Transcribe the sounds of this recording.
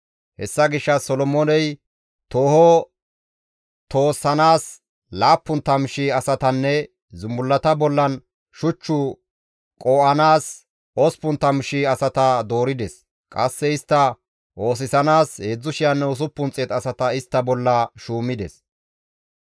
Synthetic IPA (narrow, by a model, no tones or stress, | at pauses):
hɛsːɐɡɪʃːɐsɔlɔmɔnɛj | t̪o̞ːhɔ | t̪o̞ːsːɐnaːs | laːpːʊnt̪ɐmʃɪɐsɐt̪ɐnːɛ | zʊmbʊlːɐt̪ɐbɔlːɐn | ʃʊt͡ʃːʊ | kʼoːʔɐnaːs | ɔspʊnt̪ɐmʃɪɐsɐt̪ɐd̪o̞ːɾɪd̪ɛs | kʼɐsːɛɪst̪ːɐ | ʔo̞ːs̬ɪsɐnaːsheːd͡zːʊʃɪjɐnːɛʊs̬ʊpːʊnt͡sʼːɛt̪ɐsɐt̪ɐɪst̪ːɐbɔlːɐʃuːmːɪd̪ɛs